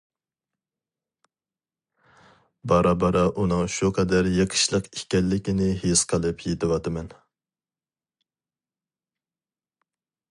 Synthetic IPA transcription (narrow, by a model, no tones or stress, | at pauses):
bɑɾɑbɑɾɑʔunɨŋʃuqʰɛd̪æɾjeqʰə̥ʃlˠəqikʲɛlːɪkʲinɪɦesqʰəlˠɨpʰjet̪ʰɪwɑt̪ʰɨmɛn